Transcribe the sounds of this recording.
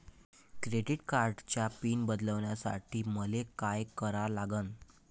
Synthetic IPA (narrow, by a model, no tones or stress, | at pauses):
kɾeɖiʈkaɾɖt͡ɕjapiːnbəd̪ləʋɳjasa̰ʈʰiːməlekajkəɾalaɡən